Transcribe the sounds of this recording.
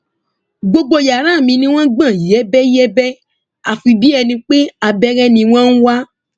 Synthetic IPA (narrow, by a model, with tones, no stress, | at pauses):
ɡ͡bo˧ɡ͡bo˧˨ja˨ɾ̃ã˦˨mĩ˧nĩ˧w̃ɔ̃˦ɡ͡bã˦˨jɛ˨˦bɛ˦jɛ˦bɛ˦ | a˨fi˧bi˦ɛ˧nĩ˧k͡pe˦a˧bɛ˦ɾɛ˦nĩ˧w̃ɔ̃˦n̩˦wa˦